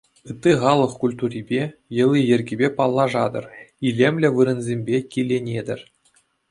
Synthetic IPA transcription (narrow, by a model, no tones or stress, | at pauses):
ɯt̪ʲːiχɑlˠɤ̆χkulʲt̪urʲibʲejɤ̆lʲˠijɘ̆rʲɡʲibʲepɑlˠːɑʐɑd̪ɤ̰̆rilʲemʲlʲɘ̆ʋɯɾɤ̆nzʲemʲbʲekʲilʲːenʲed̪ʲɘ̆rʲ